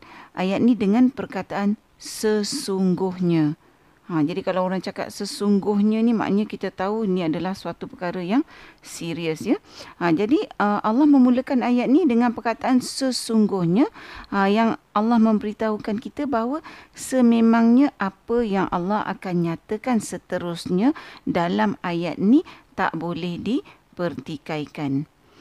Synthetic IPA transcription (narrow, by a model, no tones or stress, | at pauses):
ʔajat̪̚nidəŋãnpərkat̪aʔan | səsuŋɡʊhɲə̃ | d͡ʒadikalawoɾaŋt͡ʃaka̰t̪̚səsuŋɡʊhɲə̃nima̰ʔɲəkit̪ət̪auiniadalahsuat̪upəkaɾəjaŋsiɾiəsɲəəd͡ʒadiəmʔalːɑhmə̃muləkanajat̪̚nidəŋãnpərkat̪aʔansəsuŋɡʊhɲə̃jaŋalːɑhmə̃mbəɾit̪aukankit̪əbaɦwəsəmẽmãŋɲə̃ʔapəjaŋʔa̰lːɑha̰kanɲãt̪əkansət̪əɾʊsɲədalamajat̪̚nit̪a̰ʔbolɛhdi | pərt̪ikaikan